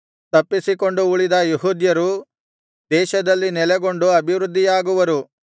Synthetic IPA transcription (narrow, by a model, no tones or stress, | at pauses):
t̪ɐpːisiko̞ɳɖuːɭid̪ɐjuɦud̪jɐɾu | d̪ɛːʃɐd̪ɐlːinɛlɛɡo̞ɳɖuɐbʱiʋɾud̪ʱːijaːɡuʋɐɾu